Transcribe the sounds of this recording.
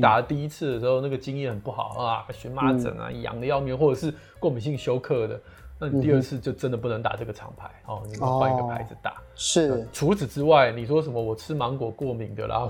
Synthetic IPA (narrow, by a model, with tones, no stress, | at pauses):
t̪a˨˩lə˦t̪i˥˧i˥t͡s̩ʰ˥˩d̪ə˩ʂɻ̩˧˥xo˥˧ʊna˥˩ɡə˩t͡ɕi˥ŋjɛ˥˩xə˨˩npu˥˩xɑ˨˦ʊʔə˧a˨˩˧ɕy˧˥nma˦˥t͡sə̰˨˩˦na̰˩jɑ̰˨˩ŋd̪ə˧jɑ˥˧ʊmjɛ˥˧nxwɔ˥˩ʈ͡ʂɤ˨˩ʂ̬ɻ̩˥˧ | kwɔ˥˩mi˨˩ɕ̬i˥˧ŋɕjo˥ʊkʰɤ˥˩d̪ə˩ | na˥˩ni˩t̪i˥˧ə˥˧t͡sʰɹ̩˥˧t͡ɕjo˥˧ʊʈ͡ʂə˥nd̪ə˩p̬u˥˩nə˧˥ŋt̪a̰˨˩ʈ͡ʂɤ˥˩ɡə˩ʈ͡ʂʰɑ̰˧˥ŋpʰa˧˥˦ɪɔ˥˧ni˨˩˥xa˥˧ŋi˧ɡə˨pʰa˧˥ɪd͡zɹ̩˨t̪a̰˨˩ʂʈ͡ʂʰu˧˥t͡sɹ̩˨˩ʈ͡ʂɻ̩˥wa˥˩ɪ˩ni˨˩ʂ̬wɔ˥ʂ̬ə˨˩nmə˦wɔ˨˩ʈ͡ʂʰɻ̩˥mɑ˧˥ŋkwɔ˨˩kwɔ˥˩mi˨˩ŋd̪ə̰˧˦la̰˧˦